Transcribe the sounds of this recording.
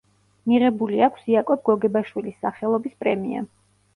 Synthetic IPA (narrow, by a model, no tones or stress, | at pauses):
miʁɛbuliakʷʰsiakʼɔb̚ɡɔɡɛbaʃwilisːaχɛlˠɔbispʼɾɛmḭa̰